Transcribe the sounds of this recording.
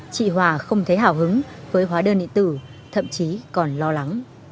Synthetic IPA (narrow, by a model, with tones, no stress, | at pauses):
t͡ɕḭ˧˨ɦwaː˧˩xə˧wŋ͡mt̪ʰe˨˦ɦaː˧˩wɦɨ˨˦ŋvəː˨˦jɦwaː˨˦ɗəː˧˩nɗḭ˧˨t̪ɨ˧˩ | t̪ʰə̰˧˨mt͡ɕi˨˦kɔ˨˩nlɔ˧la˨˦ŋ